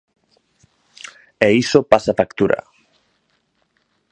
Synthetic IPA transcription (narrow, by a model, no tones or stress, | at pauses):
eisopasafakt̪uɾɐ̰